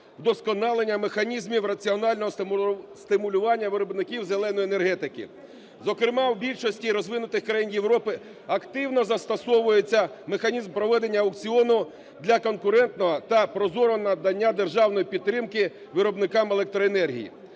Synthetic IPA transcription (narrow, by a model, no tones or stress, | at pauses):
wd̪ɔskɔnɑlˠenʲːɐmexɐnʲizmʲiwrɐt͡sʲiɔnɑlʲnɔɦɔst̪ɪmʊlʲʊʋɑnʲːɐʋɪɾɔbnɪkʲiwzelˠɛnɔjiːne̞rɦɛt̪ɪkɪ̰ | zɔkɾɪmɑwbʲilʲʃɔsʲtʲiɾɔzʋɪnʊt̪ɪxkɾɐjinjewɾɔpɪ | ɐkt̪ɪwnɔzɐst̪ɐsɔʋʊjet͡sʲːɐmexɐnʲizmpɾɔʋɛd̪e̞nʲːɐɐwkt͡sʲiɔnʊ | d̪lʲɐkɔnkʊɾɛnt̪nɔɦɔt̪ɐpɾɔzɔɾʊɔnɐd̪ɐnʲːad̪e̞rʒɑwnɔjipʲid̪t̪ːɾɪmkɪ | ʋɪɾɔbnɪkɑmelˠɛk̚t̪ɾɔenɛrɦʲḭjḭ